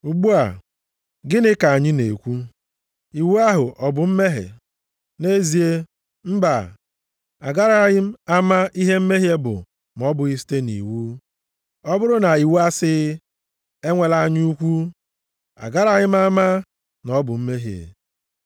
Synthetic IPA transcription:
u˨ɡ͡bu˦a̰˨ | ɡɪ˦nɪ˦ka˨ɲɪ˦nḛ˨kʷu˦ | i˨wu˦a˦ɦʊ˨ʔɔ˨bʊ˨m̩˦me˦ɦḛ˨ | ne˦zi˨e˦ | m̩˦ba˨ | a˨ɡa˦ɾa˨ɲɪ˦m̩˦a˦ma˦ʔi˦ɦe˦m̩˦me˦ɦje˦bʊ̰˨ | m̩˨ɔ˦bʊ˨i˦si̥˦te˦nḭ˨wu˦ | ɔ˦bʊ˦ɾʊ˦na˨i˨wu˦a˦sɪ˦ | e˦ŋʷe˨la˦ɲ˦u˦kʷu˦ | a̰˨ɡa˦ɾa˨ɲɪ˦m̩˦a˦ma˦ | nɔ˦bʊ˨m̩˦me˦ɦḛ˨

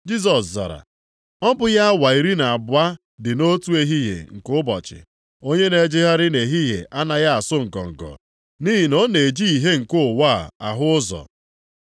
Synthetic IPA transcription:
d͡ʒi˦z̬ɔ˨sza̰˨ɾa̰˨ | ɔ˦bʊ˦ja˦a˦wa˨i˨ɾi˦na˨a˨bʷa˦ | dɪ˨no˦tu˦e˦ɦi˦ɦḛ˨ŋ̩˨kʊ˦bɔ̰˨t͡ʃɪ̰˨ | o˦ɲe˦ne˨˦d͡ʒɪ˦ɦa˦ɾɪ˦ne˨ɦi˦ɦḛ˨ʔa˦na˨ja˦a˨sʊ˦ŋ̩˨kɔ̰˨ŋ̩˨kɔ̰˨ | ni˦ɦi˨no˦ne˨d͡ʒi˦i˨ɦe˦ŋ̩˨kʊ˦˨wa˦˨a̰˨ɦʊ˦ʊ˦zɔ̰˨

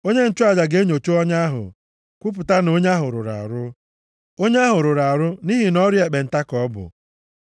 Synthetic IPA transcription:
o˦ɲe˦n̩˨t͡ʃʊ˦a˨d͡ʒa˨ɡe˦ɲo˨t͡ʃu˦ɔ˦ɲa˦ɦʊ̰˨ | kʷu˦p̬ʊ˨ta˦no˦ɲ˦a˦ɦʊ˨ɾʊ̰˨ɾa̰˨ɾʊ˦ | o˦ɲe˦a˦ɦʊ˨ɾʊ˨ɾa˨ɾʊ˦ni˦ɦi˨nɔ˦ɾje˨k͡pe˨n̩˨ta˦kɔ˦bʊ̰˨

